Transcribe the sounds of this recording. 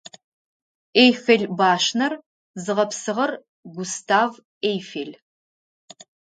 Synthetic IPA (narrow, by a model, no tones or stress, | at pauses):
ejfeɮbaːʃnɐr | zɨʁɐpsɨʁɐr | ɡʷʊstʰaːv | ejfeɮ